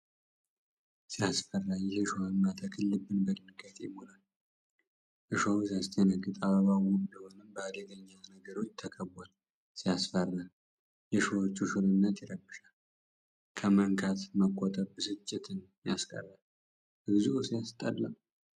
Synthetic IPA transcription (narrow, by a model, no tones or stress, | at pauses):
sijasfərːajɛhɨʃohəmːat̪ʰakʰɨlːɨbɨnbədɨnɨɡat̪ḛmonal | ʔɨʃowsjast̪ʰənəɡɨt̪ʼaβəβawumnd̪əho̞nəmbəad̪əɡəɲːanəɡəɾo̞t͡ʃːt̪ʰəkʰəbːal | sijasfərːa | jɛʃowot͡ʃːuʃuɾɨnːət̪jɛɾəbːɨʃal | kʰəməŋkʰat̪məkʼːɔt̪ʼəɾbɨsɨt͡ʃʼːɪt̪ʰɨn | jaskʼə̰rːal | hɨbzuusijast̪ʼəlːa